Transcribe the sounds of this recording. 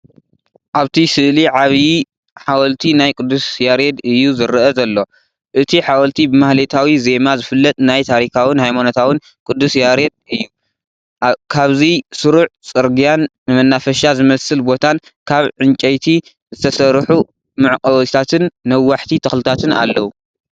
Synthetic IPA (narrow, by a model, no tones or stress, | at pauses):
ʔaβt̪ʰisɨʔliʕaβji | ħawɐlt̪ʰinajkʼɨd̪ːusjaɾed̪ɨjːuzɨɾʔɐzɐlːo̞ | ʔɨt̪ʰiħawɐlt̪ʰibɨmahlet̪ʰawize̞mazɨfɨlːɐt̪ʼnajt̪ʰaɾikʰawɨnhajmanot̪ʰawɨn | kʼɨd̪ːusjaɾe̞d̪̚ɨjːu | kʰaβzisɨɾuʕt͡sʼɨɾɡijanːɨmɐnːafɐʃazɨmɐsɨlbo̞t̪ʰan | kʰaβʕɨnt͡ʃʼɐjt̪ʰi | zɨt̪ʰɐsɐɾħu | mɨʕkʼɐwt̪ʰat̪ʰɨnːɐwːaħt̪ʰit̪ʰɐxlɨt̪ʰat̪ʰɨna̰lːɐwu